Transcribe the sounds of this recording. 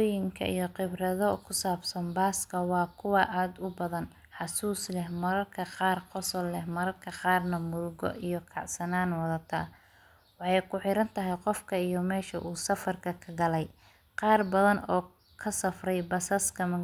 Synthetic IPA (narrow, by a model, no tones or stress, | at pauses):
jɪŋkʰɐ̰ʔḭjɔqɪbrɐðɔkʰʊsaːbsɐnbaːskʰɐwɑːkʰʊwɑʔaːd̪ʊbɐðɐn | ħɑsuːslɛhmɐɾɐrkʰɐqɑːrqɔsɔlːɛhmɐɾɐrkʰɐqɑːrnɐmʊlɡɔ̰ʔijɔkʰɑʕsɐnaːnwɑðɐt̪ʰɐ̰ | wɑħɑjkʰʊħɪɾɐnt̪ʰɐɦɛjqɔfkʰɐijɔmɛːʃɐʔuːsɐfɐrkʰɐkʰɐɡɐlɛj | qɑːrbɐðɐnɔː | kʰɐsɐfrɛjbɐsɐskʰɐmɐ